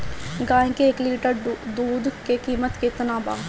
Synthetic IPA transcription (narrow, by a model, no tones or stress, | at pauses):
ɡãːẽkeːkliːʈəɾd̪uːd̪keːkiːmət̪kɪt̪ənaːba̰ː